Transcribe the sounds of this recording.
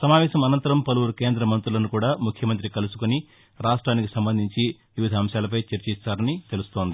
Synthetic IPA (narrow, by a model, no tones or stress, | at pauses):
sɐmaːʋɛːʃɐmɐnɐnt̪ɐɾɐmpɐluʋuɾuke̞ːnd̪ɾɐmɐnt̪ɾulɐnukuːɽaːmukʰjɐmɐnt̪ɾikɐlusu̥koni | ɾaːʂʈɾaːnikisɐmbɐnd̪ʱiɲt͡ʃiʋiʋid̪ʱaːmʃaːlɐp̬ɐjt͡ʃɐɾt͡ʃisaːɾɐnit̪e̞lust̪o̞ːnd̪i